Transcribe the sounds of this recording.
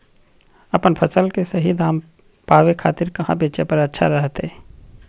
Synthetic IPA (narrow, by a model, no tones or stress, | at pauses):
əpənpʰəsəlkesəɦid̪ʱaːm | paːwekʰaːt̪ɪɾkəɦã̰beːt͡ʃepəɾətːʃʰa̰ɾəɦt̪e